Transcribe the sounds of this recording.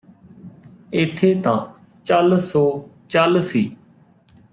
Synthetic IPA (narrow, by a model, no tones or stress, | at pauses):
ɪt̪ʰːeːt̪ã̰ː | t͡ʃalsɔːt͡ʃəlsiː